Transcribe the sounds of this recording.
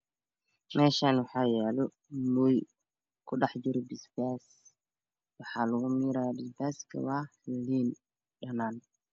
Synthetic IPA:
mɛːʃaːnwɑħaːjɛːlɔ | muj | kʰʊɗɑħd͡ʒɪɾɔbɪsbaːs | wɑħɑːlʊɣʊmiɾabɪsbaːskʰɐ̰waːliːn | ɗɐnaːn

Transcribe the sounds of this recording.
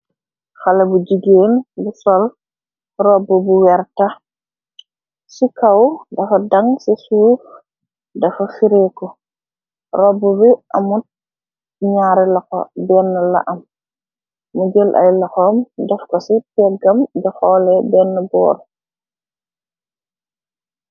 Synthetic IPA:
xalɐbud͡ʒiɡeːnbusɔl | rɔbubuwɛɾta | sikawdɐfɐdaŋsisuːf | dɐfɐfiɾekɔ | rɔbːubiʔamut̚ | ɲaɾɛlaxɔ̰bɛnːəla̰ʔɐmː | ud͡ʒəlʔa̰jlaxɔmdɛfkɔsitɛɡambɛxɔlɛbɛnːubɔ̰ːɾ

